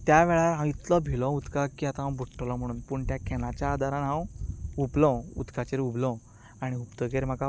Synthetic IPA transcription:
t̪jaʋɛɭaɾɦãit̪lɔbʱilɔud̪kakiat̪ãɦãbʱuʈːɔlɔm̤əɽ̃uːnpuːɳt̪jakʰɛnat͡ɕjaːd̪aɾãnɦãwuplɔ̃ṵd̪kat͡ɕeɾublɔ̃ | aɽ̃iupt̪əkeɾm̤aka

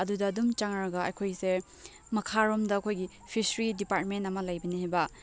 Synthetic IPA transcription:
ɐdudɐːdumt͡ʃaŋɾɐɡɐɐ̰jkʰojse | mɐkʰaɾomdɐɐkʰojɡi | pʰisɾidipat̚mentɐmɐlɐjbɐniɦajbɐ

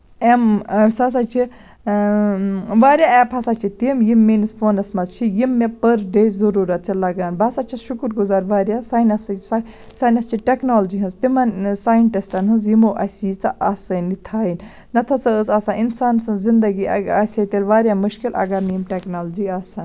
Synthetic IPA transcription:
emsɐs̬at͡ʃʰi | ʋaːɾʲjaɛːpʰɐsat͡ʃʰit̪imjimːiːnispʰoːnɐsmɐzt͡ʃʰijimːepɐɾɖejzɐɾuːɾɐt̪̚t͡ʃʰilɐɡaːnbɐsat͡ʃʰiʃukɾɡuzaːɾʋaːɾjaːsaːjnɐsɐsa | saːnʲɐst͡ʃʰiʈeknoːld͡ʒiɦɨ̃nzt̪imɐnsaːjɐnʈisʈɐnɦɨnzjimoːʔɐsiːt͡sɐʔɐsɐnːit̪ʰaːin | nɐt̪ʰɐt͡sɐəsaːsaːninsaːnsɐnzind̪ɐɡiɐ̰asʲɐt̪eːlʋaːɾʲjaːmuʃkilʔɐ̰ɡamimʈeknoːld͡ʒiaːsaːn

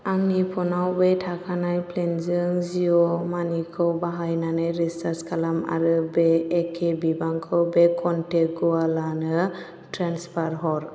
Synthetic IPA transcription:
aŋnipʰɔnawbetʰakʰanajplenzɯŋziɔmanikʰɯwbaɦajnanajɾisaɾskʰalama̰ɾɯbeːkʰebibaŋkʰɯwbekʰɔnteɡualanɯ | tɾanspʰaɾɦɔɾ

